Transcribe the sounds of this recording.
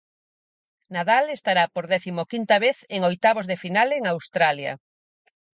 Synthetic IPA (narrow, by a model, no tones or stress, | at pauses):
naðalest̪aɾapoɾðɛθimokint̪aβeθeŋojt̪aβozðefinaleŋawst̪ɾaljɐ̰